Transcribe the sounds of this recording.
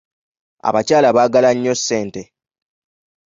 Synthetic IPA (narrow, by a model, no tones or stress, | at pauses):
a̰βacaːlaβaːɡalaɲːosːe̞ːnte̞